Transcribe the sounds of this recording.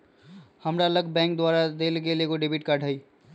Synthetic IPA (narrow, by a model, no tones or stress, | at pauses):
həmɾaləɡbɛ̃ŋk̚d̪waɾad̪elkelekoɖibiʈ̚kaɖʱəi